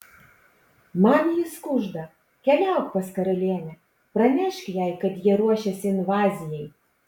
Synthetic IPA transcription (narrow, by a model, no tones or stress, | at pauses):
mɑːnʲjiskuʒd̪ɐ | kʲɛlʲæˑʊkpɐskɐɾɐlʲeːnʲɛ | pɾɐmʲɪʃkʲjɛjkɐt̪jiɛɾuɔʃʲɛsʲɪɪnʋɑːzʲɪjɛj